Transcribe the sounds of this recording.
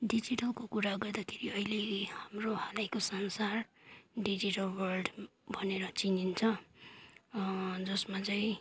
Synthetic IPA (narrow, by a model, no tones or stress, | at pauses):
ɖid͡ziʈʌlkokuɾaɡʌrd̪akʰeɾiʌilehamrohalajkosʌnsarɖid͡ziʈʌlwʌrɖbʱʌneɾʌt͡sinint͡sʰʌ | d͡zʌsmat͡saĩ